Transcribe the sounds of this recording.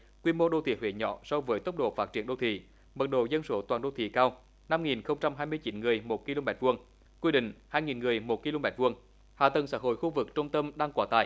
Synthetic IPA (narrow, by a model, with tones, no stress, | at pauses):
kwi˧mo˧ɗo˧˩t̪ʰḭ˧˩hwḛ˧˨˦ɲɔ̰˧˦sɔ˧vəː˨˦jt̪ə˦˥wk͡p̚ɗo̰˧˨faː˦˥t̚t͡ɕi˨˩ənɗo̰˧˩t̪ʰḭ˧˩˨ | mə˨˩t̚ɗo̰˧˨˩zə˧nso˨˦t̪waː˨˩nɗo˧t̪ʰḭ˧˨kaː˧w | na˧mŋi˨˩nxə˧wŋ͡mt͡ɕa˧mɦaː˧jmɨ˧əjt͡ɕi˨˦nŋɨ˨˩əjmo˨˩t̚ki˧lo˧mɛ˨˦˥t̚vu˧əŋ | kwi˧ɗḭ̈˧˨ŋ̟haː˧jŋi˨˩nŋɨ˨˩əjmo˨˩t̚ki˧lo˧mɛ˨˩t̚vu˧əŋ | ha̰ː˨t̪ə˨˩ŋsaː˧˥ɦo̰˧˨jxu˧vɨ˨˩k̚t͡ɕə˧wŋ͡mt̪ə˧mɗaː˧ŋkwaː˨˦t̪a̰ː˧˩j